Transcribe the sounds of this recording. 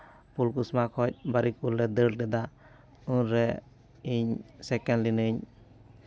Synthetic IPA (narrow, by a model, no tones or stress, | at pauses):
pulkusmakʰɔc̚baɾipulɾɛd̪əlɖɛd̪a | unɾɛ | iɲsɛkɛnlinɯɲ